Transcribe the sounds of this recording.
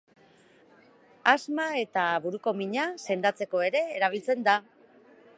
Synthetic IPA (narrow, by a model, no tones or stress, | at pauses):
azmae̞t̪aβuɾuko̞miɲase̞nd̪at͡se̞ko̞e̞ɾe̞ːɾaβ̞ilt͡se̞nd̪a